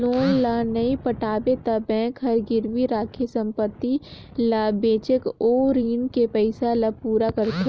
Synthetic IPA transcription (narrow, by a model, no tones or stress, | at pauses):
loːnlanɐĩpəʈʰaːbet̪ɐbɛ̃kʰɐɾɡɪɾʋiɾaːkʰesɐ̃mpət̪ːi | laːbeːt͡ʃəkoːɾiːnkepɛɪsalɐpuːɾakəɾt̪e